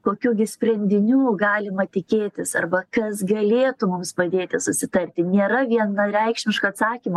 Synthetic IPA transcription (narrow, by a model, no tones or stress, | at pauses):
koːkʲuːɡʲɪsʲpʲrʲɛnʲd̪ʲɪnʲuːɡɑːlʲɪmɐt̪ʲɪkʲeːt̪ʲɪsɐrbɐkɐsɡɐlʲeːt̪ʊmʊmspɐd̪ʲeːt̪ʲɪsʊsʲɪt̪ɐrʲt̪ʲɪnʲeːɾɐʋʲiɛnɐɾʲɛɪkʃʲmʲɪʃkɐɐt̪sɑːkʲimɐ